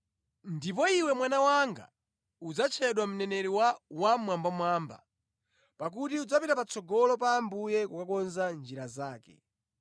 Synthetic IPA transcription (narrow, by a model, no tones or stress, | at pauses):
ndip̬ɔiwɛmwanawaŋɡa̰ | ud͡zat͡ʃʰɛɗwam̩nɛnɛɾiwawamwambamwaːmba̰ | pak̬utiud͡zapitapat͡sʰɔɡɔlɔp̬aːmbujɛkukakɔnzand͡ʒiɾazaːkɛ̰